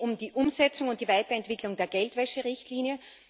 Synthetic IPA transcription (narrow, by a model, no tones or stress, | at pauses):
ʊmdiːʔʊmzɛt͡sʊŋʊnt̚d̥iːvaɪtɐɛntv̥ɪklʊŋdeːɐɡɛltv̥ɛʃəʁɪçtliːnjə